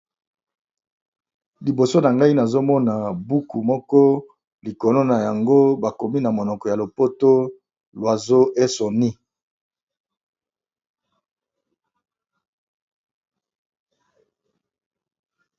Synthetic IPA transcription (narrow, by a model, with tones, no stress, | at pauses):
li˨bo˨so˦na˨ŋɡa˦i˦na˨zo˦mɔ˦na˨bu˦ku˨mɔ˦kɔ˦ | li˨kɔ˨no˦na˨ja˨ŋɡo˦ba˨ko˨mi˦na˨mo˨nɔ˨kɔ˨ja˨lo˨po˦to˦ | lwa˨zo˦ʔe˦so˨ni˦